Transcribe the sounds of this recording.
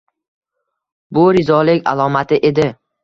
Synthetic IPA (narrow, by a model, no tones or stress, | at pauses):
bʊɾɪzɒlɪkʲa̰lˠɒmat̪ʰɪʔe̞d̪ɪ